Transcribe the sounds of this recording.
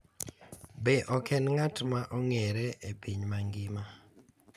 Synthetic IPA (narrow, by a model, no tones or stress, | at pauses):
beʔɔkɛnŋatmaʔɔŋeɾeʔepiɲmaŋɡɪma